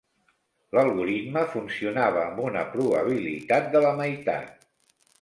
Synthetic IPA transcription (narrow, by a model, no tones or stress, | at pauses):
ləlˠɣuɾid̪məfunsiunaβ̞əːmbunəpɾuβəβ̞ilḭt̪at̪̚d̪ələməjt̪a̰t̪̚